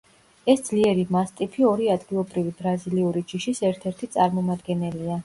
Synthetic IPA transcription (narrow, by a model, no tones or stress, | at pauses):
ɛsd̪zliɛɾimast̪ʼipʰiɔɾiad̪ɡilˠɔbɾivibɾaziliuɾid͡ʒiʃisɛɾt̪ʰɛɾt̪ʰit̪sʼaɾmɔmad̪ɡɛnɛlia